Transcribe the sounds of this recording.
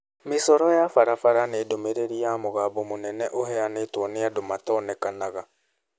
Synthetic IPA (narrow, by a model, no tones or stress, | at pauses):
mesɔɾɔjafaɾafaɾaneːdomeɾeɾiamoɣaːbɔmonɛnɛʔoɦɛaneːtwɔneadomatɔːnɛkanaɣa